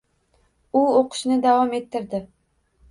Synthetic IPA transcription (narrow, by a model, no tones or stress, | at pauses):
ʊoqʰɨ̥ʃnɪd̪avɒme̞t̪ʰːɪɾd̪ɪ